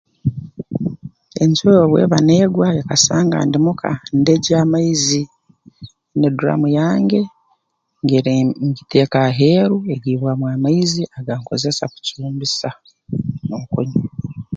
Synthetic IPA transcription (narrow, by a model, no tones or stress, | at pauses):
e̞nsojoβwḛːβane̞ːɡwaekasaːŋɡa̰ndimukʰa̰ndeɟaːmaizi | neduɾa̰mujaːŋɡe̞ | ŋɡeɾɲɟite̞ːkaɦe̞ːɾueɡiːβwamwaːmaiziaɡaŋkoze̞saku̥cuːmbisa | noŋkoɲi